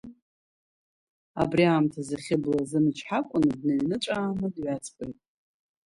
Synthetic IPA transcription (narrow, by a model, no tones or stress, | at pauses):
a̰briaːmtʰazaχʲɪblazɨnɨt͡ʃʰħakʷʼʊnɨdneɥnɨʈ͡ʂʷʼaːmɨdɥat͡sʰʼpʼɨjtʼ